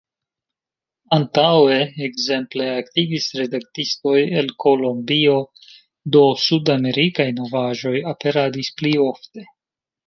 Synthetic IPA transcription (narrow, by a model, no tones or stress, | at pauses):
antawe̞ːɡze̞mple̞aktivisɾe̞dak̚tisto̞je̞lkʰo̞lo̞mbio̞ | do̞sudame̞ɾikajno̞vaʒo̞jape̞ɾadisplio̞fte̞